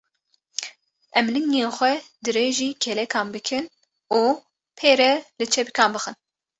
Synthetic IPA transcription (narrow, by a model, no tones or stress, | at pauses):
ɛmlɨŋeːxʷɛd̪ɨɾeːʒiːkʰɛlɛkʰɑːnbɨkʰɨn | uː | pʰeːɾɛlɨt͡ʃʰɛbikʰɑːnbɨxɨn